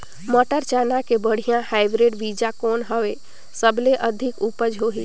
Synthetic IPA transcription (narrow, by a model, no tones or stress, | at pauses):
məʈəɾt͡ʃanakebəɽ̤ijãhaɪbɾeɖʋid͡ʒakoːnɦəʋe | səbleʔəd̪ʱɪkupəd͡ʒɦoɦi